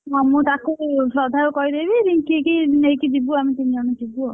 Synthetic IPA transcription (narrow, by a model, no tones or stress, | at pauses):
ɔmũt̪akupɾɔd̪ʱajokɔid̪ebiɾiŋkikinejkid͡ʒibuamit̪inid͡ʒɔnɔd͡ʒibuo